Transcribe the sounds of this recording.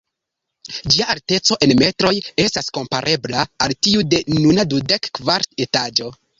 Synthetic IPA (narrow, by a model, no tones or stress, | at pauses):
d͡ʒiaalte̞t͡so̞ʔe̞nme̞tɾo̞je̞stasko̞mpaɾʔe̞blaːltiude̞nunadude̞kːvaɾte̞tad͡ʒo̞